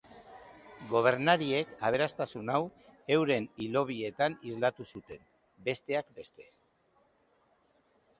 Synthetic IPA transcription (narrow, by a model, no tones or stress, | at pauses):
ɡo̞β̞e̞ɾnaɾie̞kaβ̞e̞ɾast̪asunawe̞wɾe̞nilo̞β̞ie̞t̪anizlat̪usut̪e̞n | be̞st̪e̞ak̚be̞st̪e̞